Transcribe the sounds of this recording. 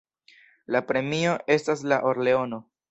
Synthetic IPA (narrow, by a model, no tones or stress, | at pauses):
lapɾe̞mio̞ʔe̞staslaʔoɾle̞o̞no̞